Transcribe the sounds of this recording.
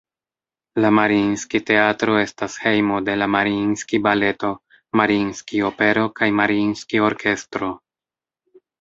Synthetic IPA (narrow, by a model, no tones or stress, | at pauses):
lamaɾinskite̞atɾo̞e̞stashe̞jmo̞de̞lamaɾinskibale̞to̞ | maɾinskio̞pe̞ɾo̞kajmaɾinskio̞ɾkʰe̞stɾo̞